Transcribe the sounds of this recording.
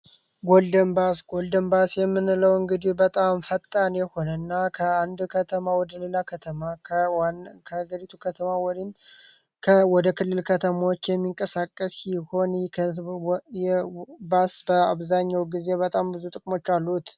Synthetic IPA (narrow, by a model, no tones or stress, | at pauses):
ɡo̞ld̪əmbasɡold̪əmbasjɛmːɨnləwɨŋɡɨd̪ibət̪ʼamfət̪ʼːanjɛho̞nənːakʰəand̪kʰət̪ʰəmawɔd̪əlelakʰət̪ʰəma | kʰəaɡəɾit̪ʰukʰət̪ʰəmawɔd̪im | kʰəwɔd̪əkʰɨlːɨlkʰət̪ʰəmawot͡ʃːjɛmːiŋkʼəsakʼːəsjɪho̞nʰ | jɛbasbəaβzaɲːawɡize̞bət̪ʼambɨzut̪ʼɨkʼmo̞t͡ʃːalːut̪